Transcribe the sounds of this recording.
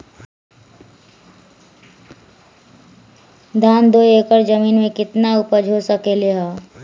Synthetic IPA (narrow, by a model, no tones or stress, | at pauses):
d̪ʱaːnd̪oːeːkəɾd͡ʒəmiːnmẽkɪt̪naʊpəd͡ʒʱosəkeleɦaː